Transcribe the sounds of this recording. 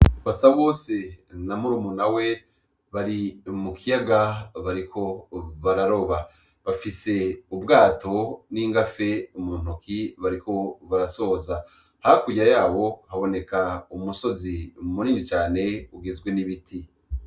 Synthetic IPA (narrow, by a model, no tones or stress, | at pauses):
βasaβo̞ːse̞namuɾumunawe̞ | βaɾimukʰijaɡaβaɾikʰo̞βaɾaɾo̞βa | βafise̞ubɡaːto̞niːŋɡafe̞umuːn̥okiβaɾiko̞βaɾaso̞za | hakujajaːβo̞haβo̞ne̞kaumuso̞zimuniːnit͡ʃaːne̞uɡezɡweniβitʰi